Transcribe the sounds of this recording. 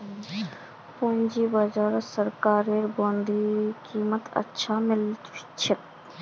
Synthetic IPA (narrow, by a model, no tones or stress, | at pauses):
pund͡ʒibəd͡ʒaɾɔsəɾkaːɾeɾbond̪ʱikiːmət̪ə̰tːʃʰamɪliti̥t͡ʃʰe